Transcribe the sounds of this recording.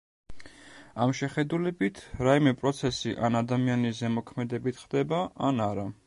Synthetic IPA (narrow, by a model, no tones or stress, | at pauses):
amʃɛχɛd̪ulɛbit̪ʰɾaimɛpʼɾɔt̪sʰɛsiʔanad̪amianiszɛmɔkʰmɛd̪ɛbit̪ʰχd̪ɛbaʔanaɾa